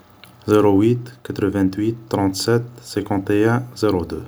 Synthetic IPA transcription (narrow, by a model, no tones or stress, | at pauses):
zeʁowit̪kat̪ʁəvɛ̃t̪ɥit̪ːʁɑ̃t̪sɛt̪sɛ̃kɑ̃t̪eɛ̃z̥eʁod̪ø